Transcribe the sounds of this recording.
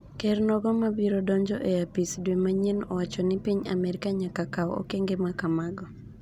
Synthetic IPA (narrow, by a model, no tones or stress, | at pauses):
kɛrnɔɡɔmabiɾɔdɔɲd͡ʒɔʔejapisdwemaɲenɔwat͡ʃɔnɪpiɲamɛɾɪkaɲakakawɔo̰keŋɡemakamaɡɔ